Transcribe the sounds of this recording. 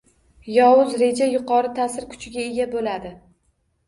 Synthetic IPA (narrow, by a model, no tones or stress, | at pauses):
jɒwʊzɾe̞d͡ʒajʊqɒɾɪt̪ʰasɪɾkʰʊ̥t͡ʃʰɪɡʲae̞ɡʲabolad̪ɪ